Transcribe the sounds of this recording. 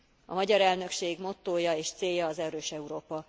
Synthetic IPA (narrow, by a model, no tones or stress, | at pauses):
ɒmɒɟɒɾɛlnø̞kʃeːɡmo̞t̪ːoːjɒeːʃt̪seːjːɒːzɛɾøːʃɛuɾoːpɒ